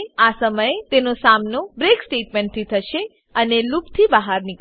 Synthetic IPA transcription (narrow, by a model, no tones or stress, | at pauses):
asəməjet̪enosamnobɾeksʈeʈ̚mẽɳʈ̚t̪ʰit̪ʰəʃe | ənelupt̪ʰibəɦaɾnik